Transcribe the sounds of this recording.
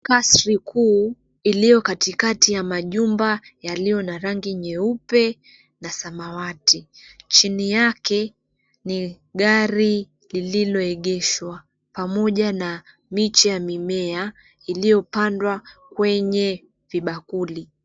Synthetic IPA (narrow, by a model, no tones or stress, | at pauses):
kasɾikʰuː | ilijɔkatikatijamaʄumbajalijɔnaɾaŋɡiɲɛupɛ | nasamawatit͡ʃinijakɛ | ni | ɠaɾi | lililɔɛɠɛʃwa | pamɔʄana | mit͡ʃijamimɛa | ilijɔpandwakwɛɲɛ | viɓakuli